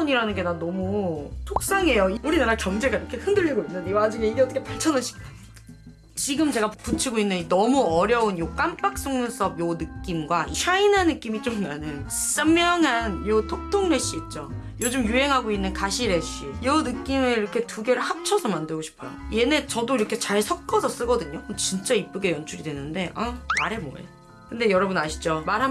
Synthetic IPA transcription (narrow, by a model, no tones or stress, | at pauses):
ʌniɾanɯnɡe̞danʌmutʰok̚s͈aŋe̞joiuɾinaɾakjʌŋd͡ʑe̞ɡaiɾʌkʰe̞hɯndɯʎːiɡoinːɯnewad͡ʑuŋe̞iɡeʌtʰʌ̥kʰepaɭt͡ɕʰʌnaɕʰi̥k̚ta | t͡ɕiɡɯmt͡ɕe̞ɡaput͡ɕʰiɡoinːɯnnʌmuʌɾjʌunjok͈amp͈ak̚s͈oŋɯns͈ʌbjonɯk͈imɡwaiɕʰainanːɯk͈imit͡ɕ͈omnanɯns͈amːʌŋanjotʰok̚tʰoŋɾe̞ɕ͈iːt̚t͡ɕ͈o | jod͡ʑumjuɦe̞ŋɦaɡoinːɯnkaɕʰiɾe̞ɕ͈ijonɯk͈imeiɾʌkʰe̞tuɡe̞ɾɯɭhap̚t͡ɕʰʌsʰʌmandɯɭɡoɕʰi̥pʰʌ̰je̞net͡ɕʌdoiɾʌkʰe̞t͡ɕaɭsʰʌk̚k͈ʌsʰʌs͈ɯɡʌdɯɲomot͡ɕint͡ɕ͈aip͈ɯɡe̞jʌnt͡ɕʰuɾidwe̞nɯnde̞ʔamaɾe̞mo̰ḛ | kɯnde̞jʌɾʌbunaɕʰi̥d͡ʑomaɾɦa